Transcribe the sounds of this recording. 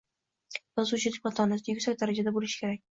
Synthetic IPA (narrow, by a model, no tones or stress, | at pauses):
bazʊt͡ʃʰɪd̪ɪk̚ʲqɑt̪ʰɒnasɪjʊkʲsak̚ʲd̪aɾad͡ʒad̪abolɪʃɪ̥kʲeak̚ʲ